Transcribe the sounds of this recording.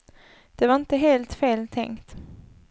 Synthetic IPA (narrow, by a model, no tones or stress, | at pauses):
d̪̥ɛvaɾɪnt̪əɦeːlt̪feːlt̪ʰɛ̰ŋkt̪